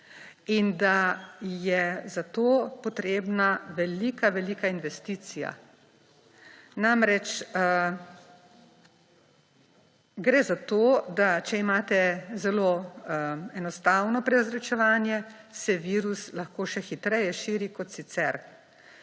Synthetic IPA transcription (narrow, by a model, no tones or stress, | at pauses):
ind̪ajɛzat̪oːpɔt̪ɾeːbnaʋɛliːkaʋɛlikainʋɛst̪iːt̪sija̰ | namɾɛt͡ʃ | ɡɾɛzat̪oːd̪at͡ʃɛimaːt̪ɛzɛloː | ɛnɔst̪awnɔpɾɛazɾɛt͡ʃɛʋaːnjɛ | sɛʋiːɾuslaxkoːʃɛxit̪ɾɛjɛʃiːɾikɔt̪sit̪sɛɾ